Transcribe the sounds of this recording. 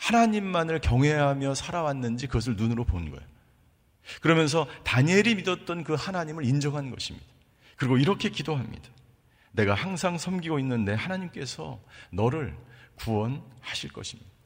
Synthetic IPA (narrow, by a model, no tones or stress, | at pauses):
hanaɲimːanɯɭkjʌŋɦwe̞ɦamjʌsʰaɾawanːɯnd͡ʑikɯɡʌs̬ʰɯɭnunɯɾoponɯnɡʌ̰jo | kɯɾʌmjʌns̬ʰʌtaɲe̞ɾimidʌt̚t͈ʌnkɯhanaɲimɯɾind͡ʑʌŋɦannɡʌ̰ɕʰimɲḭd̥ḁ | kɯɾiɡoiɾʌkʰe̞kidoɦamɲḭd̥ḁ | ne̞ɡahaŋsʰaŋsʰʌmɡiɡoinːɯnde̞hanaɲimk͈e̞sʰʌ̰nʌɾɯɭkuʌnhaɕʰiɭk͈ʌ̰ɕʰimɲid̥a